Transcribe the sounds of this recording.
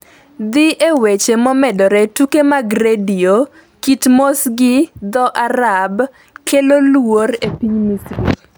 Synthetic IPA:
d̪ɪʔewet͡ʃemɔmɛdɔɾɛtukemaɡɾedio | kitmosɡɪd̪ɔʔaɾab | kʰelolworepiɲmisɾḭt

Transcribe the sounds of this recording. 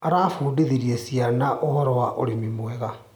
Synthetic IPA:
aɾaːfuːdeðiɾiesianaʔohɔɾɔwaʔoɾemimwɛɣa

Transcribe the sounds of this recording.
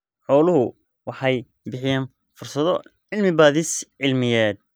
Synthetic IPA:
ħɔːlʊɦʊ | wɑħɑj | bɪħɪjaːn | fʊrsɐðɔʕɪlmɪbaːðɪsʕɪlmɪjɛːd̪̚

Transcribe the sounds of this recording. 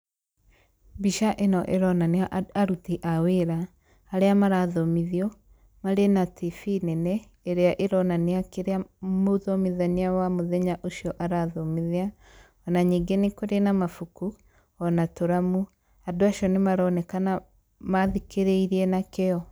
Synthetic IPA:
biʃaʔenɔʔeɾɔnaneaaɾutiʔaweɾaː | ɾeamaɾaðɔmiðiɔ | maɾenatifinɛnɛː | ɾeaʔeɾɔnaniakeɾeamoðɔmiðaniawamoðɛɲaʔoʃiɔʔaɾaðɔmiðia | ɔnaɲiŋɡenekoɾenamafuku | ɔnatoɾamu | adoaʃɔnemaɾɔnɛkana | maðikeɾɛiɾiɛnakeɔ

